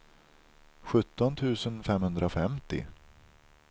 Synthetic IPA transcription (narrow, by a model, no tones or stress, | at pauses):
ɧɵt̪ːɔnt̪ʰʉ̟ːsənfɛmhɵnd̪ɾafɛmt̪ɪ̰